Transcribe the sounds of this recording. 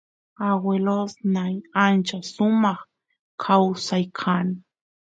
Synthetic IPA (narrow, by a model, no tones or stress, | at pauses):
awelosnajant͡ʃasʊmɑχ | kʰawsajkʰan